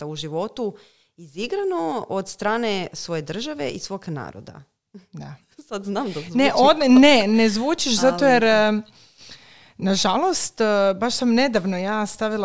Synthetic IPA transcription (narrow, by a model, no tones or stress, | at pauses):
auʒiʋo̞t̪u | iziɡɾanood̪st̪ɾaːnesʋo̞jed̪r̩ʒaʋeʔisʋokna̰ːɾo̰d̪a̰ | d̪a | sad̪znaːmd̪aneʔod̪nenezʋuːt͡ʃiʃzat̪ojeɾ | naʒalˠo̞st̪baʃsamne̞d̪aʋnojaːst̪aʋilˠa